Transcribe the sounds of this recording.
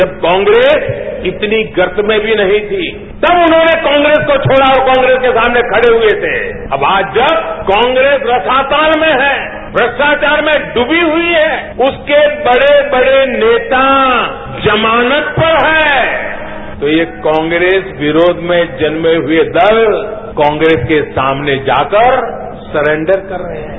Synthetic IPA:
d͡ʒɐb̚kɔ̃ːŋɡɾeːsɪt̪niɡɐɾt̪mẽbʱinɐɦĩt̪ʰi | t̪ɐbʊnɦõːnekãːŋɡɾeːskot͡ʃʰoːɽaɔɾkɔ̃ːŋɡɾeːskesaːmnekʰɐɽeɦʊet̪ʰḛː | ɐ̰baːd͡ʒd͡ʒɐbkɔ̃ːŋɡɾeːsɾɐsʰaːt̪aːlmẽɦɛː | bɾəʃʈaːt͡ʃaːɾmẽɖʊbiɦʊiɦɛːʊskebɐɽebɐɽeneːt̪a | d͡ʒɐmaːnət̪pɐɾɦɛː | t̪ojekɔ̃ːŋɡɾeːsʋɪɾoːd̪ʱmẽd͡ʒɐnmeɦʊed̪ɐl | kɔ̃ːŋɡɾeːskesa̰ːmned͡ʒa̰ːkəɾ | sɐɾẽɳɖəɾkɐɾːɐɦẽɦɛ̃

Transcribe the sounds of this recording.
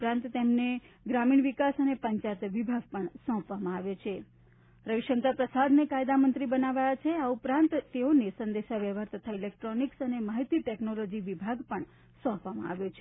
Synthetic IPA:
pɾãnt̪t̪emne | ɡɾamiɳʋikasənepəɲt͡ʃat̪ʋibʱaɡ̚pəɳsɔ̃pʋamãaʋjot͡ʃʰe | ɾəʋiʃəŋk̪apɾəsad̪nekajd̪amənt̪ɾibənaʋajat͡ʃʰeaupɾãnt̪t̪eonesənd̪eʃaʋjeʋaɾt̪ət̪ʰailek̚ʈɾoniksənemaɦit̪iʈɛknolod͡ʒiʋibʱaɡpəɳ | sɔ̃pʋamã̰a̰ʋjot͡ʃʰe

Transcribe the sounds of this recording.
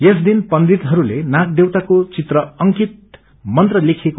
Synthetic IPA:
jesd̪inpʌnd̪it̪ɦʌɾulenak̚d̪ewt̪akot͡sit̪rʌʌŋkit̪̚ | mʌnt̪rʌlekʰeko

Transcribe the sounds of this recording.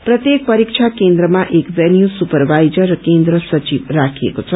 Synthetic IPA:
pɾət̪jek̚pəɾikʃʰakend̪ɾəmãʔekʋɛljusupəɾʋajd͡ʒəɾkẽnd̪ɾəsət͡ʃiʋɾakʰiḛkot͡ʃʰɔ

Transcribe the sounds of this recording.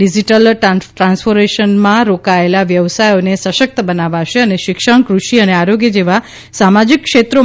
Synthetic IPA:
ɖid͡ʒiʈəlʈʈɾãnsfoɾmeʃənmãɾokaelaʋjəʋsajonesəʃək̚t̪əbənaʋaʃeəneʃɪkʃəɳkɾuʃiəneaɾoɡjəd͡ʒeʋa | samad͡ʒikːʃet̪ɾo

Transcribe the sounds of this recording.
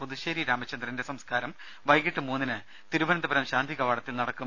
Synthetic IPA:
puðuɕeːɾiɾaːmɐt͡ɕːɐnd̪rɐindesɐmskaːɾɐm | ʋɐjɡiʈːɨmuːnːinɨ | t̪iɾuʋɐnɐd̪ɐbɐɾɐmɕaːnd̪ʱiɣɐʋaːɽɐt̪ːilnɐɽɐkːu

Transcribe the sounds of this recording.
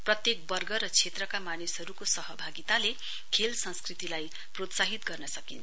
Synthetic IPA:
prʌt̪jek̚bʌrɡʌɾʌt͡sʰet̪rʌkamanesɦʌɾukosʌɦʌbʱaɡit̪ale | kʰelsʌ̃nskrit̪ilaj | prot̪saɦit̪ɡʌrnʌsʌkint͡s

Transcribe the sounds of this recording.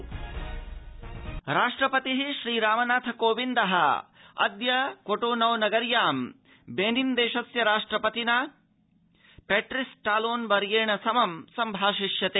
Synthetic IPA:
ɾaːʂʈɾɐpɐt̪iɦiʃɾiːɾaːmɐnaːt̪ʰɐkoːʋind̪ɐɦɐɐ̰d̪jɐkoʈoːnɐwnɐɡɐɾjaːm | beːnind̪eːʃɐsjɐɾaːʂʈɾɐpɐt̪ina | peːʈɾisʈaːloːnbɐɾjeːɳɐsɐmɐmsɐmbʱaːʃiʃjɐt̪eː

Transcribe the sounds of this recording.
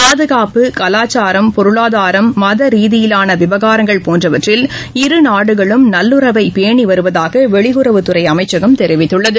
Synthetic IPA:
paːðɯɣaːpɯkɐlaːt͡ʃːaːɾɐmpɔɾɯɭaːðaːɾɐmːɐðɐɾiːðɪjɪlaːnɐʋɪʋɐɣaːɾɐŋɡɐɭpoːndrɐʋɐʈrɪl | ɪɾɯnaːɽɯɣɐɭɯmnɐlːɯɾɐʋɐɪpeːɳiʋɐɾɯʋɐðaːɣɐʋɛɭɪɣɯɾɐʋɯt̪ɯɾɐɪɐmɐɪt͡ʃːɐɣɐmt̪ɛɾɪʋɪt̪ːɯɭːɐðɯ

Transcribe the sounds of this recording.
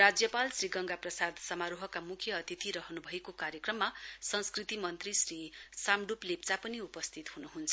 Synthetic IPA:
rad͡zjʌpalsriɡʌŋɡaprʌsad̪sʌmaɾuɦʌkamukʰjʌːt̪it̪iɾʌɦʌnubʱʌekokaɾjʌkrʌmːasʌnskrit̪imʌnt̪risrisamɖuplept͡sapʌniupʌst̪ʰit̪hunuɦunt͡sʰʌ

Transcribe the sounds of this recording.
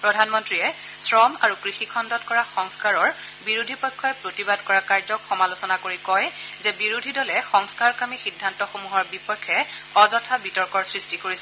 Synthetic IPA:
pɹɔdʱanmɔntɹiɛ | sɹɔmaɹukɹixikʰɔndɔtkɔɹaxɔŋskaɹɔɹ | biɹodʱipɔjkʰːɔɛpɹotibadkɔɹakaɹzɔkxɔmalosɔnakoɹikɔj | zɛbiɹodʱidɔlɛxɔŋskaɹkamixidʱːantɔxomuɦɔɹbipɔkʰːɛ | ɔzɔtʰabitɔɹkɔɹsɹistikoɹisɛ

